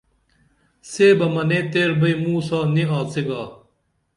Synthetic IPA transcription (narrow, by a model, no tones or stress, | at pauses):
seːbɐmɐnẽːt̪eːɾbɐjmuːsaːniaːt͡siɡaː